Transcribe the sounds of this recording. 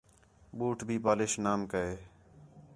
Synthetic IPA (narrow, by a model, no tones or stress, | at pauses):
ɓuːʈbʱiːpaːlɪʃnaːmkəeː